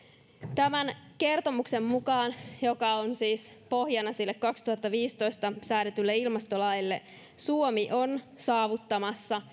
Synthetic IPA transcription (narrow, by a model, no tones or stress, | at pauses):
t̪æmænke̞rt̪o̞mukse̞mːukɑːnjo̞kɑonsiːspo̞hjɑnːɑsilːekkɑkst̪uhɑt̪ːɑʋiːst̪o̞jst̪ɑsæːɾet̪ylːe̞ilmɑst̪olɑjilːe̞̰ | suomiʔo̞nsɑːʋut̪ːɑmɑsːɑ